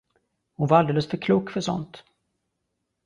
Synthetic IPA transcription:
hʊnvaɾald̪eːləsfœɾkʰluːkːfœʂɔ̰nt̪

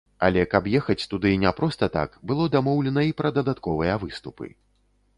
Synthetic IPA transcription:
ɐ̰lʲɛkapjɛxɐt͡sʲt̪ud̪ɨnʲɛpɾɔst̪ɐt̪a̰kbɨlˠɔd̪amɔwlʲɛnɐipɾɐd̪ɐd̪at̪kɔvɨjɐvɨst̪upɨ̰

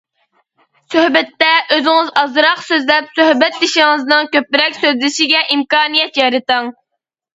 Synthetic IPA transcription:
søhbɛt̪ːɛʔøzɪŋɨzɑzɾɑqsøzlɛpsøhbɛt̪̚d̪ɪʃɪŋɨznɨŋkʲøpːɪɾɛkʲsøzlɪʃiɡʲɛʔimkɑːnijɛt̪jɑjɾɨt̪əŋ

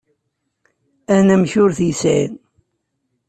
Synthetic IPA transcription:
ænæmçʊɾθjəsin

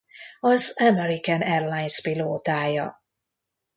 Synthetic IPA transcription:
ɒzɛmɛɾikɛnɛrlajnspiloːt̪aːjɒ̰

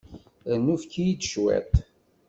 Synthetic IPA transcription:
nːufkːijid̪ʃwæ̰t̪

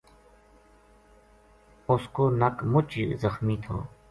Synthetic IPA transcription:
ʊskoːnəkmʊt͡ʃizəxmiːt̪ʰo̰ː

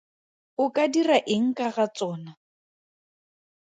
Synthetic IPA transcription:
ʊkʼadiraʔɪŋ̩kʼaɣat͡sʼɔːna

